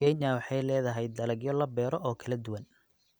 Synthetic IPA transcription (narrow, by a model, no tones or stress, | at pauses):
ɛjnawɑħɑjlɛːðɐɦɛjd̪ːɐlɐɡjɔlɐbɛːɾɔʔɔːkʰɐlɐd̪ʊwɐn